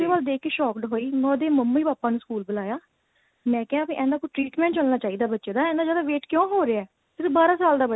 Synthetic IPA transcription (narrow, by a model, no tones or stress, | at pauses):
eːbaːld̪eːkʰkeːʃɔːkɖɦoːiːmɔ̃ːd̪eːməmːiːbaːpãːnũːskuːlbəlaːjaː | mɛ̃ːkɛːaːbiʔɛ̃ːnd̪aːkʊʈɾiːʈmɛ̃ːɳʈt͡ʃəlnaːt͡ʃaːiːd̪aːbətːʃeːd̪aːɛ̃nd̪aːd͡ʒaːd̪aːʋeːʈkjõːɦoːɾeaɛː | sɪɾəfbaːɾãːsaːld̪aːbə